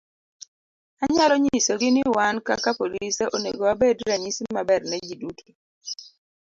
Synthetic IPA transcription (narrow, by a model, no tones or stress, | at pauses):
aɲalɔɲisoɡɪnɪwankakapoliseʔoneɡoabedɾaɲisimabɛrnɛd͡ʒidukʰi̥